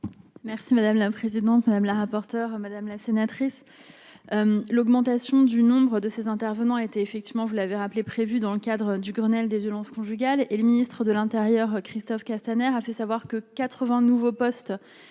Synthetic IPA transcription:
mɛʁsimad̪amlapχezid̪ɑ̃t̪mad̪amlaʁapɔʁt̪œʁmad̪amlasenat̪χis | ømlɔɡmɑ̃t̪asjɔ̃d̪ynɔ̃bʁəd̪əsezɛ̃t̪ɛʁvənɑ̃et̪ɛːfɛk̚t̪ivmɑ̃vulaveʁaplepχevyd̪ɑ̃ləkad̪ʁəd̪yɡʁənɛld̪evjɔlɑ̃skɔ̃ʒyɡʲaleləminist̪χəd̪əlɛ̃t̪eʁjœʁkχist̪ɔfkast̪anɛʁafɛsavwaʁkəkat̪χəvɛ̃nuvopɔst̪

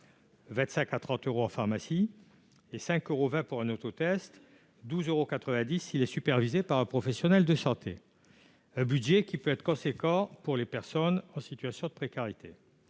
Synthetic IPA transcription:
vɛ̃t̪sɛ̃kat̪χɑ̃t̪øʁoɑ̃faʁmasi | esɛ̃køʁovɛ̃puʁɛ̃not̪ot̪ɛst̪ | d̪uzøʁokat̪χəvɛ̃d̪isilɛsypɛʁvizepaʁɛ̃pχɔfɛsjɔnɛld̪əsɑ̃t̪ʰḛ | ɛ̃bydʒɛkʲipøɛt̪χəkɔ̃sekɑ̃puʁlepɛʁsɔnɑ̃sit̪ɥasjɔ̃d̪əpχekaʁit̪e

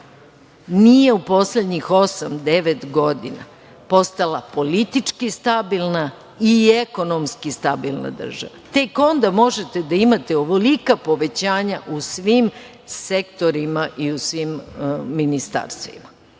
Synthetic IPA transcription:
nije̞upo̞sled̪ɲixo̞samd̪eʋet̪ɡo̞d̪ina̰ | po̞st̪alapo̞lit̪it͡ʂkist̪abilˠna | ieko̞nomskist̪abilˠna̰d̪r̩ʒa̰ʋat̪e̞ko̞nd̪amo̞ʒet̪ed̪aimat̪eoʋolikapo̞ʋe̞t͡ɕaːɲaʔusʋim | sekt̪o̞ɾimaʔiusʋimːinist̪a̰ɾst̪ima

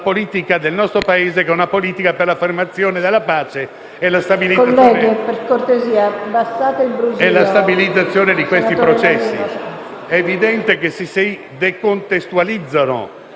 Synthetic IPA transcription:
poliːt̪ikad̪elnɔst̪ɾopaeːzekɛunapoliːt̪ikaperlafermat̪sːjoːned̪elːapaːt͡ʃe | ɛlast̪abiliolːɛoɡeperkort̪eziːabasːaːt̪eilbɾuzɛlast̪abilid̪zːat̪sːjoːned̪ikwest̪ipɾot͡ʃɛsːḭ | ɛːvid̪ɛnt̪ekesisej | d̪ekont̪est̪ualid̪zːano̰

